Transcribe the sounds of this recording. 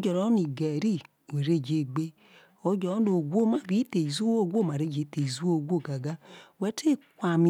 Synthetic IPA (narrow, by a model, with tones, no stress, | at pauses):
o˦d͡ʒɔ˨ɾɔ˦ni˨ɡɛ˨ɾi˦ | o˨ɾe˦˨d͡ʒe˨ɡ͡be˦ | o˦d͡ʒɔ˨˦no˨ɡʷo˦˨ma˦˨bi˨˦te˨i˨zu˦o˦˨ɡʷo˦˨ma˨ɾe˦˨d͡ʒe˨˦te˨i˨zu˦o˦˨ɡʷo˦˨ɡa˨ɡa˦wɛ˨˦tʰe˦˨kʷa˨mi˨